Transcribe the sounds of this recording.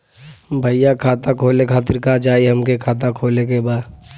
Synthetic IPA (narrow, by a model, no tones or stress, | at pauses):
bʱəjakʰaːt̪akʰoːlekʰaːt̪̬ɪɾkad͡ʒaːiɦɐmkekʰaːt̪̬akʰoːlekebaːd̪